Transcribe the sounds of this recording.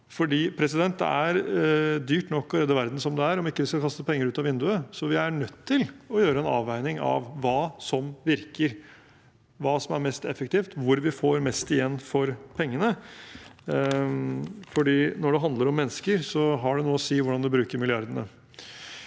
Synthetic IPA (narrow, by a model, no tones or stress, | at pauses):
fɔɖiːpʰɾɛsɪd̪ɛnt̪̚d̪ɛ̰æɾd̪yːʈnɔkːɑləɾeːd̪əʋæɾd̪n̩sɔmd̪ɛæɾɔmɪkːəʋɪskɑlkʰɑst̪əpʰɛŋːəɾʉːt̪ɑʋɪnd̪ʉəsɔʋɪæɳœt̪ʰːɪlɔjøːɾəɛnɑ̰ːʋæɪnɪŋɑ̰ʋʋɑːsɔmʋɪɾkəɾ | ʋɑːsɔmæɾmɛst̪ɛfːək̚t̪iːft̪ʋʊɾʋɪfoːɾmɛst̪ɪjɛnːfɔɾpʰɛŋːənə | fɔɖiːnɔɖɛɦɑnd̪ləɾɔmːɛnːəskəɾsɔɦɑɖɛnuːəɔsiːʋʊɖɑnd̪ɛbɾʉːkəɾmɪlɪɑɾd̪ənə̰